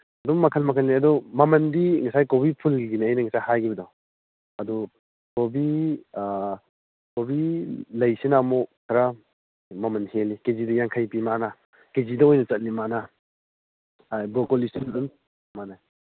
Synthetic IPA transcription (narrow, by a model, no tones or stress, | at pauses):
ɐdɔmːɐkʰɐlmɐkʰɐlniɐdɔmɐmɐndiŋɐsajkobipʰulɡinejnɐŋɐsajhajɡʰibɐdɔ | ɐdɔ | kobi | kobilɐjsinamɔkʰɐɾa | mɐmɐnhelikezidɐjaŋkʰajpimana | kezidɐojnɐt͡ʃɐt̚nimana | bokolisinun | mana